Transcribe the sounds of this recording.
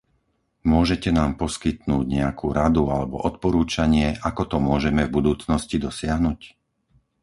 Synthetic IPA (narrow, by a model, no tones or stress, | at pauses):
mʊɔʒɛcɛnaːmpɔskit̪nuːɟɲɛakʰuːɾad̪ualɛbɔ̰ʔɔt̪̚pɔɾuːt͡ʃaɲɪɛʔakɔt̪ɔmʊɔʒɛmɛvbud̪uːt͡snɔscid̪ɔsɪaɦnuc